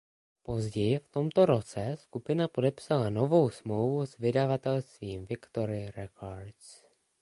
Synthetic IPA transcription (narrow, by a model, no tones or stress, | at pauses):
po̞zɟɛjɪft̪o̞mt̪o̞ɾo̞t͡sɛskupɪnapodɛpsalano̞vo̞wsmlowvusvɪdavat̪ɛlst̪viːmvɪkt̪o̞ɾɪɾɛkʰoɾs